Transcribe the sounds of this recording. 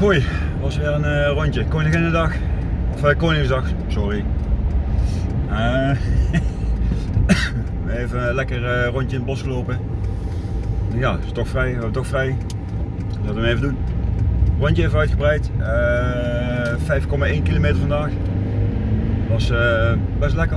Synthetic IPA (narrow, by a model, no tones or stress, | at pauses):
oj | tʋɑsʋɪːrənərɔntəkoːnɪ̃ŋənədɑx | ɔfəkoːnɪŋzdɑxsɔri | ə | ʋəejvəlɛkərrɔntəɪnəbɔsxəloːpə | jaːɪ̥stɔxfrɛjʋɛbətɔxfrɛj | sɑtəməejvədun | rɔntəejvəœɥtxəbrɛjtə | fɛjfkɔmaːʔejnkilomeːtəɹvɑndaːx | ʋɑsə | bɛslɛkə